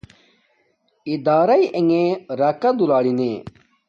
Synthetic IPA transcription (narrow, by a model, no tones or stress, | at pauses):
ɪd̪aːɾaiːʔeŋẽːɾaːkãd̪ulaːɽinẽː